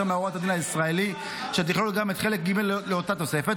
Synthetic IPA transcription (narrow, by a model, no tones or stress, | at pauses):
meaoʁot̪ad̪inaisʁaeli | ʃet̪̬iχlolɡamet̪χe̞lek̚ɡimelleo̞tat̪o̞se̞fet̪